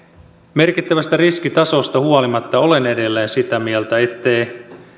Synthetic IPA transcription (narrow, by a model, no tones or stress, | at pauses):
me̞rkit̪ːæʋæst̪æriskit̪ɑso̞st̪ɑhuolimɑt̪ːɑo̞le̞ne̞de̞lːeːnsit̪æmielt̪æe̞t̪ːe̞j